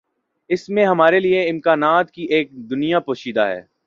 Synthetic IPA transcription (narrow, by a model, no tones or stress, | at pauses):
ɪsmẽɦɐmaːɾelieɪmkaːnaːt̪kiʔeːk̚d̪ʊnijapoːʃiːd̪aɦɛ̰ː